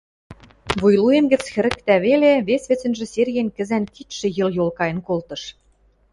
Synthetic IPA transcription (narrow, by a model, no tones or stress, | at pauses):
βujluemɡɘ̆t͡sxɘ̆ɾɘ̆kt̪æβeleβesβĕt͡sɘ̆nʒĕserʲɣenkɘ̆zænkit̪ʃɘ̆jɤ̆ljolˠkɑjɤ̆nkolt̪ɤ̆ʃ